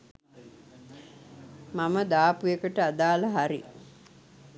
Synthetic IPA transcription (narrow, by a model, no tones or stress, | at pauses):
maməd̪aːpujekəʈəad̪aːlaɦaɾḭ